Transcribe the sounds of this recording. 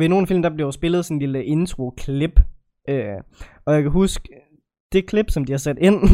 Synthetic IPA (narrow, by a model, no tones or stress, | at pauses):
ʋe̝no̝ːn̩fil̰m̩d̥ɑ̈b̥lesb̥e̝lð̞̩ˠsɔnliləʔe̝nt͡sʰʁo̝kʰleb̥ | øː | ɒ̽jäkʰæɦusɡ̥ | d̥e̝kʰle̝b̥sɒ̽md̥ihɑ̈sæd̥e̝n̰